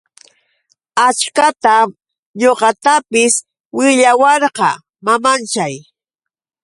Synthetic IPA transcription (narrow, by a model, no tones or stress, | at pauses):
at͡ʃkat̪am | ɲoqɑt̪apɪs | wɪʎawɑɾqɑ | mamant͡ʃaj